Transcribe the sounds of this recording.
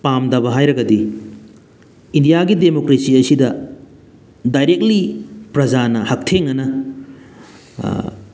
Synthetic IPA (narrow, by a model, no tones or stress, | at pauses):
pamdɐbɐɦajɾɐɡɐdi | indijaɡidemokɾesiɐsidɐ | dajɾek̚tlipɾɐd͡ʒanɐhɐk̚tʰeŋːɐnɐ